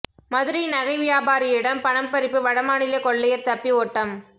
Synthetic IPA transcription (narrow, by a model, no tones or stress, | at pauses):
mɐðɯɾɐnɐɣɐɪʋɪjaːbaːɾɪɪɽɐmpɐɳɐmpɐɾɪpːɯʋɐɽɐmaːnɪlɐkɔɭːɐjɐɾt̪ɐpːioːʈːɐm